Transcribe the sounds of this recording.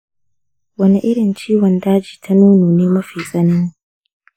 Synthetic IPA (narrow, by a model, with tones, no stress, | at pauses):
wɐ˦ni˦ʔɪ˦ɽɪ˨nt͡ʃiː˦wɔ˨ndaː˦d͡ʒiː˨tʰa˦nuː˦noː˨neː˦mɐ˦ɸiː˨sɐ˦nɐ˦ŋ